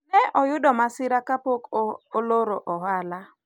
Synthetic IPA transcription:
nɛʔɔjʊdɔmasɪɾakapokoloɾoʔɔɦala

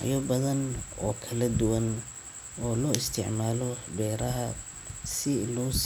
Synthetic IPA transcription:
ʕjɔbɐðɐnɔːkʰɐlɐd̪ʊwɐn | ɔːlɔːɪst̪ʰɪ̰ʕmaːlɔɖɛːɾɐɦɐ | sɪlɔːs

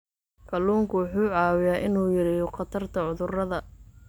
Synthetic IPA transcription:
kʰɐluːŋkʰʊwʊħuːʕɑːwɪjaːʔɪnuːjɐɾɪqɑt̪ʰɐrt̪ʰɐʕʊðʊrɐðɐ

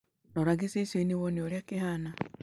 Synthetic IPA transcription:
noɾaɡisiseniwonioɾjakihana

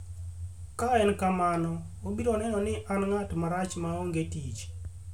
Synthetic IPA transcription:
kaɛnkamanɔ | obiɾɔnɛnɔnɪʔanŋatmaɾat͡ʃmaoŋɡetit͡ʃ

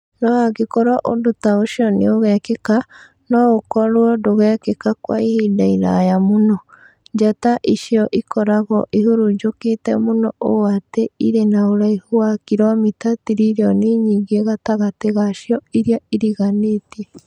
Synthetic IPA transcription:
nɔaɡekɔɾɔʔo̰ndotaoʃiɔnḛoɣɛkeka | nɔɣokɔɾwɔdoɣɛːkekakwa̰ihidaiɾa̰jamonɔ | ɲd͡ʒataʔiʃiɔʔikɔɾaɣɔʔihuɾuɲd͡ʒoketɛ̰monɔʔo̰ateiɾenaoɾaihuwakiɾɔmitatiɾiɾeɔneɲiɡeɣataɣateɣaʃjɔiɾjaiɾiɣaneːtiɛ

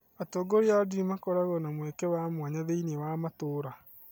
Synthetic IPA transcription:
atɔːɡɔɾeadimakɔɾaɣɔnamwɛkɛwamwaɲaðeinewamatoːɾa

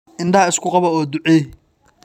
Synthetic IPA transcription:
ɪnd̪ɐɐɪskʰʊqɑβɐɔːd̪ʊʕɛ

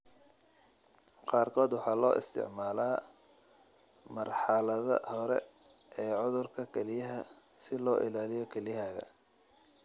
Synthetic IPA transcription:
qɑːrkʰɔːd̪wɑħɑːlɔːʔɪ̰st̪ʰɪ̰ʕmaːlaː | mɐrħɑlɐðɐ̰hɔɾɛ̰ | ʔɛːʕʊðʊrkʰɐkʰɛlɪjɐɦɐ | sɪlɔːʔɪ̰laːlɪjɔkʰɛlɪjɦaːɣɐ̰

